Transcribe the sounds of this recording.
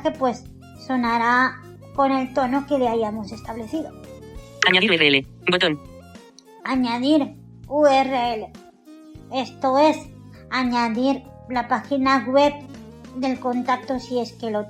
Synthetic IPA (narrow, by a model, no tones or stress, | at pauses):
xepwe̞sː | o̞naɾa | ko̞ne̞lt̪o̞noke̞leajamose̞st̪aβle̞θiðo | aɲaðiɾeele | mbot̪on | aɲaðiɾ | uereele | e̞st̪oes | aɲaðiɾ | lapaxinaɣwe̞p̚ | d̪e̞lko̞nt̪ak̚t̪osie̞ske̞lo